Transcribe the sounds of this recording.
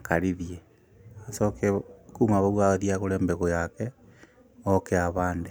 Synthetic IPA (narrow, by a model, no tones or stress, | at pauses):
kaɾiðje | asɔkekumaβawaɣaðiaɣoɾɛːmbɛɣojakɛ | ɔkeaβaːnde